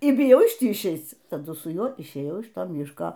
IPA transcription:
iː bʲɪˈjɛʊ ɪʃ ˈtʲiː ɪʃʲˈɛɪt͡s tɐˈdʊ sʊ ˈjuɔ ɪʃʲˈeːjɛʊ ɪʃ ˈtoː ˈmʲɪʃkoː

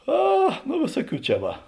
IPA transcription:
ˈɐ nʊ ˈʋʲeːsuɔˌkʲuː ˈt͡ʃʲɛ ˈʋɐ

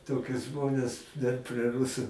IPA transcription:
ˈtoːkʲʊs ˈʒmoːnʲɛs dɐr pʲrʲiɛ ˈrʊsʊ

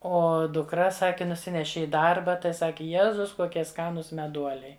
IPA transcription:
ˈoː dʊkˈrɐ ˈsɑːkʲɪ nʊˈsʲɪnʲɛʃʲɪ ɪ ˈdɐrbɐ tɐɪ ˈsɑːkʲɪ ˈjæːzʊs koːˈkʲiɛ ˈskɑːnuːs mʲɛˈduɔlʲɛɪ

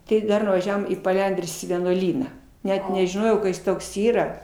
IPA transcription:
ˈtɐɪ ˈdɐr ʋɐˈʒʲæːʋoːm iː pɐˈlʲɛnʲdʲrʲʊs iː ʋʲiɛnuɔˈlʲiːnɑː ˈnʲɛt nʲɛʒʲɪˈnoːjɛʊ kɐ ˈjɪs ˈtoːks ˈiːrɐ

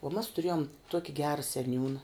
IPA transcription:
oː mɐs tʊˈrʲeːjoːm ˈtuɔkʲɪ ˈɡʲæːrɐ sʲɛˈnʲuːnɐ

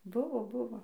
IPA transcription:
ˈbʊʋoː ˈbʊʋoː

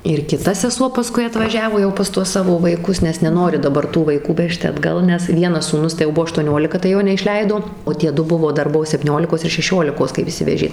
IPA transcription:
ɪr kʲɪˈtɐ sʲɛˈsuɔ pɐˈskʊɪ ɐtʋɐˈʒʲæːʋoː jɛʊ pɐs ˈtuɔs ˈsɑːʋoː ʋɐɪˈkʊs nʲɛs nʲɛˈnoːrʲɪ dɐˈbɐr tuː ʋɐɪˈkuː ˈʋʲæːʃʲtʲɪ ɐdˈɡɐlˠ nʲɛs ˈʋʲiɛnɐs suːˈnʊs tɐɪ jɛʊ ˈbuɔ ɐʃtuɔˈnʲoːlʲɪkɐ tɐɪ ˈjoː nʲɛɪʃʲˈlʲɛɪdoː oː ˈtʲiɛ ˈdʊ ˈbʊʋoː ˈdɐr ˈbuɔ sʲɛpʲtʲiːˈnʲoːlʲɪkoːs ɪr ʃʲɛˈʃʲoːlʲɪkoːs kɐɪp ɪʃʲˈsʲɪʋʲɛʒʲeː

